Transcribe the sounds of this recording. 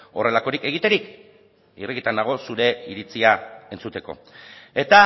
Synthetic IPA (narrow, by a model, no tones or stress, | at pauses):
o̞re̞lako̞ɾike̞ɣ̞it̪e̞ɾik | iriɣit̪and̪aɣ̞o̞suɾe̞iɾit͡siae̞nt͡sut̪e̞ko̰e̞t̪a